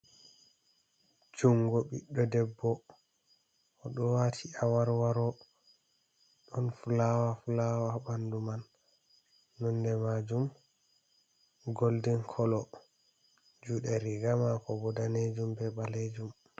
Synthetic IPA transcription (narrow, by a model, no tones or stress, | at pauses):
d͡ʒuŋɡɔɓḭɗːɔdɛbːɔ | ɗɔwatʰiawaɾwaɾɔ | ɗɔnfulawafulawabanduman | ɔndɛmad͡ʒum | ɡoldɛnkʰɔlɔ | d͡ʒuːɗɛɾiɡamakɔbɔdaned͡ʒumbɛbaled͡ʒum